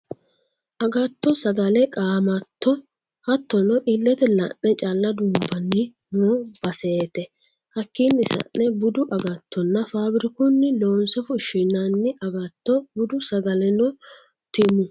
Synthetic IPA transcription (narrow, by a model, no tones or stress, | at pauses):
ʔɐɡɐt̪ːɔsɐɡɐlɛkʼaːmɐt̪ːɔ | hɐt̪ːɔnɔʔilːɛt̪ɛlɐ̰ʔnɛt͡ʃʼalːɐd̪ʊːbɐnːɪ | nob̥ɐseːt̪ɛ | hɐkːiːnɪsɐ̰nːɛbʊd̪ʊʔɐɡɐt̪ʰːɔnːɐfaːbɪɾɪkʊnːɪlo̞ːnsɛfʊʃɪnanːɪʔɐɡɐt̪ːɔbʊd̪ʊsɐɡɐlɛnɔ | t̪ɪmʊ